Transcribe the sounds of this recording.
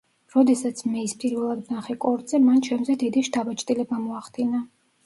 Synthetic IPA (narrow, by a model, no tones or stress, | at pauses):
ɾɔd̪ɛsat̪sʰmɛispʼiɾvɛlˠad̪naχɛkʼɔɾd̪zɛmant͡ʃʰɛmzɛd̪id̪iʃt̪ʰabat͡ʃʰʼt̪ʼilɛbamɔaχd̪ina